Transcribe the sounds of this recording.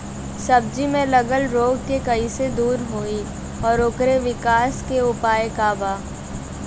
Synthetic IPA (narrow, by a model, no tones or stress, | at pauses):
sɐb̚d͡ʒimẽlɐɡəlɾoːɡkekɐised̪uːɾɦoi | ɔːɾʊkɾeʋɪkaːskeʊpaːekaːbaː